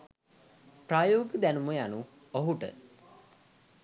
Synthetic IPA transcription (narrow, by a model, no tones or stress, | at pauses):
praːjoːɡəd̪ænuməjanu | oɦuʈə̰